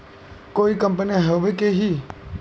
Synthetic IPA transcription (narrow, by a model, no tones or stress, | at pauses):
koːikəmpəniɦəʋekeɦiː